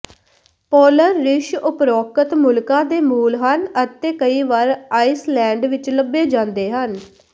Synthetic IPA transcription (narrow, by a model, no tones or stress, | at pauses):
pɔːləɾːɪʃʊpɾɔːkət̪mʊlkãːd̪eːmuːlɦənət̪eːkəiːʋaːɾaːislɛ̃ːɳɖʋɪt͡ʃləbːeːd͡ʒãːnd̪eːɦən